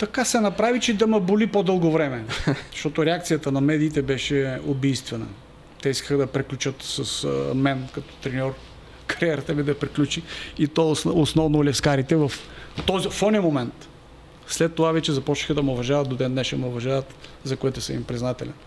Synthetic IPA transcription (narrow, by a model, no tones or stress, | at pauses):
t̪ɐkasɛnɐpɾavit͡ʃɛd̪ɐmɐbʊlipod̪ɤlˠɡovɾɛmɛzʃt̪ɔt̪oɾɛak̚t̪sijət̪ənɐmɛd̪iːt̪ɛbɛʃɛobijst̪vɛnə̰ | t̪ɛiskəxəd̪ɐpɾɛklʲut͡ʃət̪sɐsmɛnkɐt̪ɔ̥t̪ɾɛnʲɔɾ | kɐɾiɛɾət̪əmid̪ɐpɾiklʲut͡ʃiit̪ɔsosnɔvnolʲɛfskaɾit̪ɛvɐft̪ɔzifɔnʲimomɛnt̪ | slɛt̪ːovavɛt͡ʃɛzɐpɔt͡ʃni̥xəd̪ɐmɛʊvɐʒavɐt̪̚d̪od̪ɛnd̪nɛʃɛmɛʊvɐʒavɐt̪zɐkoɛt̪ʊsəmimpɾiznat̪ɛlʲɛn